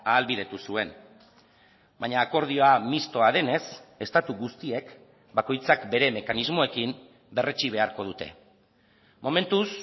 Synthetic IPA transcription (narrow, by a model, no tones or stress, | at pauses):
aːlβiðe̞t̪usue̞n | baɲaːko̞ɾð̞io̞amist̪o̞aðe̞ne̞se̞st̪at̪uɣust̪ie̞k | bako̞jt͡sakbe̞ɾe̞me̞kanizmo̞e̞kim | be̞re̞t͡ʃiβ̞e̞aɾko̞ð̞ut̪e̞̰ | mo̞me̞nt̪us